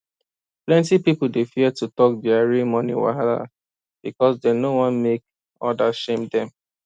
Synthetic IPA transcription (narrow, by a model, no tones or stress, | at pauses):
plɛ̃ntipipʊldefiɛtutɔk̚diaɹimɔ̃nḭwa̰ada̰ | b̥ikɔsdɛnowɔ̃nmek̚ | ɔdaʃẽmdɛ̃m